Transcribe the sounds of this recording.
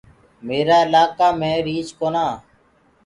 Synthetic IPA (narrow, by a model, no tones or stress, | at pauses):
meːɾaːɪlaːkaːmẽːɾiːt͡ʃkoːnaː